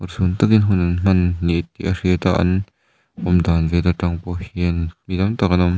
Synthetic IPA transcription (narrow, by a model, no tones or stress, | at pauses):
ʔɔrsunt̪ɐkinɦʊnɐnm̥ɐnːiʔt̪̚ːiʔar̥iət̪a̰ʔɐ̰n | ʔɔmd̪aːnzet̪aʈ͡ʂɐŋpɔhiənmid̪ɐmt̪ak̚ɐnɔm